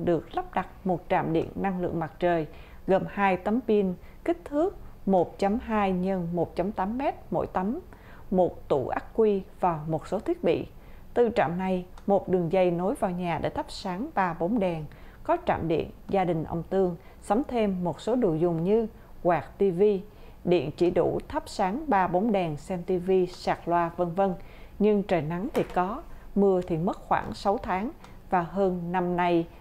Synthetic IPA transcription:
ɗɨ˨˩ək̚la˦˥p̚ɗa˨˩t̚mo˨˩t̚t͡ɕa̰ː˧˨mɗḭ˧˨ənːa˧ŋlɨ̰˧˨əŋma˨˩t̚t͡ɕəː˨˩j | ɣə˨˩mhaː˧jt̪ə˨˦mɓi˧ən | kï˦˥k̟̚t̪ʰɨ˦˥ək̚mo˨˩t̚t͡ɕa˧mɦaː˧jɲə˧nmo˨˩t̚t͡ɕa˧˩mt̪aː˨˦mːɛ˦˥t̚mo̰˧˥jt̪ə˨˦m | mo˨˩t̚t̪ṵ˧˩ʔa˦˥k̚kwi˧vaː˨˩wmo˨˩t̚so˨˦t̪ʰi˦˥t̚ɓḭ˧˨ | t̪ɨ˧˩t͡ɕa̰ː˧˨mna˧jmo˨˩t̚ɗɨ˨˩əŋzə˧jno˨˦jvaː˨˩wɲaː˨˩ɗḛː˧˩t̪ʰə˦˥p̚saː˨˦ŋɓaː˧ɓo˨˦nɗɛ˨˩n | kɔ˨˦t͡ɕa̰ː˧˨mɗḭ˧˨ənzaː˧ɗï˨˩ŋ̟ʔə̰˧wŋ͡mt̪ɨ˧əŋ | sə˨˦ŋ͡mt̪ʰe˧mːo˨˩t̚so˨˦ɗṵ˧˩jzʊ˨˩ŋ͡mɲɨ˧ | kwaː˨˩k̚t̪i˧vi˧ | ɗḭ˧˨ənt͡ɕi˧˩ɗṵ˧˩t̪ʰə˦˥p̚saː˨˦ŋɓaː˧ɓo˨˦ŋ͡mɗɛ˨˩ŋsɛ˧mt̪i˧vi˧saː˨˩k̚lwaː˧və˧nvə˧nɲɨ˧ŋt͡ɕə˨˩na˨˦ŋt̪ʰi˨˩kɔ˨˦mɨ˧ət̪ʰi˨˩mə˦˥t̚xwa̰ː˧˩ŋsa˨˦wt̪ʰaː˨˦ŋ | vaː˨˩ɦəː˧nna˧mna˧j

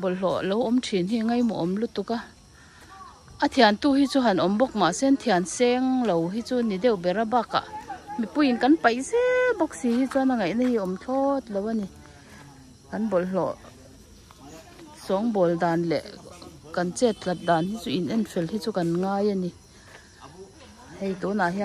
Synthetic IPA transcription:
bɔ˨llɔ˨ʔlɔ˨˦wʔɔ˧˦mtʰi˨nɦi˧ŋa˦˨jmɔ̰˨ʔɔ˨mlu˦˨t̪u˧˨ka˦˨ | ʔa˦t̪ʰi˧a˨nt̪u˦˧˨hi˥t͡su˦ɦa˨nʔɔ˨mbɔ˦˧k̚ma˨sɛ˦nt̪ʰi˧a˨˩nsɛ˧ŋlo˨wɦi˦t͡su˦ni˨dɛ˦˨wbɛ˨ɾa˧ba˦˧˨ka̰˨ʔmi˨pu˥˦ji˨nka˨˦npa˨jsɛ˦bɔ˧k̚siː˨hi˦t͡su˦a˧na˧ŋa˨jʔna˦hi˧ɔ˨mt͡ɬʰɔ˦t̪̚lo˨wa˧˨ni˧ | ha˨˦nbɔ˨llɔ̰˨ʔ | sɔ˨˦ŋbɔ˨ldaː˨nlɛ̰˨ʔka˨nt͡sɛ˦˩t̪̚la˨t̪̚daː˨nhi˦t͡su˦i˨nʔɛ˧˥˨nfɛ˨lhi˦t͡su˦ka˨nŋaː˧˥ja˧ni˨ | hɛ˧˨jt̪ɔ˨˦na˨ɦi˧

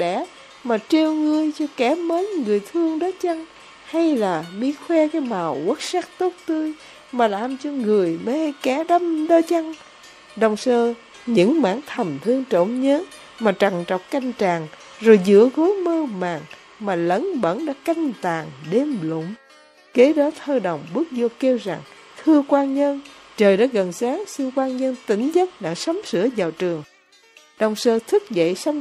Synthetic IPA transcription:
ɗɛ̰˧˩˦ | maː˨˩t͡ɕe˧wŋɨ˧əjt͡ɕɔ˧kɛ˧˩˥məː˨˦nŋɨ˨˩əjt̪ʰɨ˧əŋɗɔ˨˦t͡ɕa˧ŋ | ha˧jlaː˨˩mi˧˥xwɛ˧kaː˨˦jmaː˨˩wwə˦˥t̚saː˦˥k̚t̪o˦˥t̚t̪ɨ˧j | maː˨˩laː˨˩mt͡ɕɔ˧ŋɨ˨˩əjmə˧hjkɛ˧˩˦ɗa˧mɗɔ˧t͡ɕa˧ŋ | ɗə˨˩wŋ͡msəː˧ | ɲɨ̰˧˥ŋma̰ː˧˥ŋt̪ʰə˨˩mt̪ʰɨ˧əŋt͡ɕo̰˧˨ŋ͡mɲəː˨˦˥n | maː˨˩t͡ɕa˨˩ŋt͡ɕə̰˧˨wŋ͡mka˧jŋ̟t͡ɕaː˨˩ŋ | zo˨˩jzɨ̰˧˥əɣo˨˦jməː˧ma̰ː˨˩ŋ | maː˨˩lə̰˧˥nɓə̰˧˥nɗa̰ː˧˥ka˧jŋ̟t̪aː˨˩ŋɗe˧mlʊ̰˧˩˨ŋ͡m | ke˨˦ɗɔ˨˦t̪ʰəː˧ɗə˨˩wŋ͡mɓɨ˦˥ək̚zo˧ke˧wza˨˩ŋ | t̪ʰɨ˧əkwaː˧nɲə˧nt͡ɕəː˨˩jɗa̰ː˧˥ɣə˨˩nsaː˨˦ŋsi˧nkwaː˧nɲə˧nt̪ï˧˩ŋ̟zə˦˥t̚ɗa̰ː˧˥sə˨˦wmsɨ̰˧˥əzaː˨˩wt͡ɕɨ˨˩əŋ | ɗə˨˩wŋ͡msəː˧t̪ʰɨ˦˥k̚zə̰˧˨jsa˧

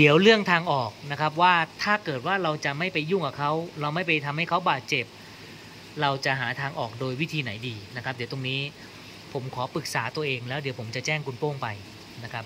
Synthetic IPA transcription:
di˨˩˦əwɾɯ˥˩əŋt̪ʰaː˧ŋʔɔː˨˩k̚na˦˥kʰa˦˥p̬̚waː˥˩t̪ʰaː˥˩kɤː˨˩t̪̚waː˥˩ɾa˧wt͡ɕa˨˩ma˥˩jpa˧jːu˥˩ŋkaː˨˩kʰa˦˥wɾa˧wma˥˩jpa˧jt̪ʰa˧mha˥˩jkʰa˦˥wbaː˨˩t̪̚t͡ɕe˨˩p̚ | ɾa˧wt͡ɕa˨˩ɦaː˩˦t̪ʰaː˧ŋʔɔː˨˩k̚doː˧jwi˦˥t̪ʰiː˧na˩˦jdiː˧na˦˥kʰa˦˥di˩˦t̪o˧ŋniː˦˥ | pʰo˩˦mkʰɔː˩˦pɯ˨˩k̚saː˩˦t̪u˧ɐʔeː˧ŋlɛː˦˥wdi˩˦pʰo˩˦mt͡ɕa˨˩t͡ɕɛː˥˩ŋkʰu˧npoː˥˩ŋpa˧j | na˦˥kʰa˦˥p̚

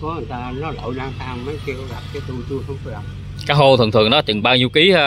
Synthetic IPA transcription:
ɔ˨˦ə˨˩t̪aː˧nɔ˨˦lo̰˧˨jɗaː˧ŋt̪ʰaː˧mmə˨˦jki˧kla˨˩p̚kaː˨˦jt̪u˧t͡ɕu˧əxə˧wŋ͡mkɔ˧la˨˩ | kaː˨˦˥jho˧t̪ʰɨ̰˨˩t̪ʰɨ̰˨˩əŋnɗɔ˨˦t͡ɕɨ̰˨˧˨ŋɓaː˧wɲi˧wki˨˦˧

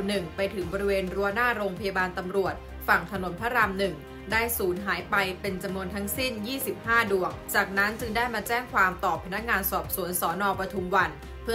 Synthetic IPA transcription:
nɯ˨˩ŋpa˧jt̪ʰɯ˩˦ŋbɔː˧ɾi˥weː˧nɾu˧ənaː˥˩ɾoː˧ŋpʰa˧jaː˧baː˧nt̪a˧mɾu˨˩ət̪̚ | fa˨˩ŋt̪ʰa˧no˨˩˦npʰa˦˥ɾa˧mnɯ˨˩ŋ | daː˥˩jsuː˩˦nɦaː˩˦jpa˧jpe˧nt͡ɕa˧mnu˧ənt̪ʰa˦˥ŋsi˥˩njiː˥˩si˨˩p̚haː˥˩du˨˩ək̚t͡ɕaː˨˩k̚na˦˥nt͡ɕɯ˧ŋdaː˥˩jmaː˧t͡ɕɛː˥˩ŋkʰwaː˧mt̪ɔː˨˩pʰːa˧na˦˥k̚ŋaː˧nsɔː˨˩p̚su˩˦ənsɔː˩˦nɔː˧pɾa˧t͡ɕ̪ʰu˧mwa˧n | pʰɯ˥˩

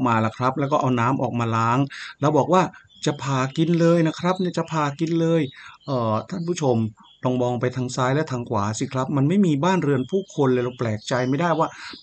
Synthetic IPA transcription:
k̚maː˧la˨˩kʰɾa˦˥p̚lɛ˦˥wkɔː˥˩ʔa˧wnaː˦˥mʔɔː˨˩k̚maː˧laː˦˥ŋlɛː˧wbɔː˨˩k̚waː˥˩ | t͡ɕa˨˩ʔpʰaː˧˩ki˧nlɤː˧jna˦˥kʰɾa˦˥p̚ni˥˩˨t͡ɕa˨˩pʰaː˧ki˧nlɤː˧jʔɤː˨˩t̪ʰa˥˩npʰuː˥˩t͡ɕʰo˧m | lɔ˧ŋbɔː˧ŋpa˧jt̪ʰaː˧ŋsaː˦˥jlɛ˦˥t̪ʰaː˧ŋkwaː˩˦si˧˩kʰɾa˦˥p̚ma˧nma˥˩jmiː˧baː˥˩nɾɯ˧ənpʰuː˥˩kʰo˧nlɤː˧˩jɾa˧wplɛː˨˩k̚t͡ɕa˧jma˥˩jdaː˥˩jwaː˥˩

